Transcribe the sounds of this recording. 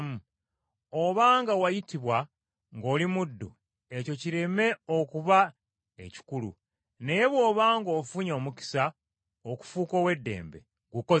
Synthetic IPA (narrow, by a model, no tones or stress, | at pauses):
mu | oβaːŋɡawajitiβwa | ŋɡo̞ːlimudːṵ | e̞co̞ciɾe̞me̞o̞kuβa | e̞̰ci̥kulṵ | ne̞jeβwo̞ːβaːŋɡo̞ːfuɲo̞ːmuki̥sa | oku̥fuːkowe̞dːe̞̰ːmbḛ | ɡuko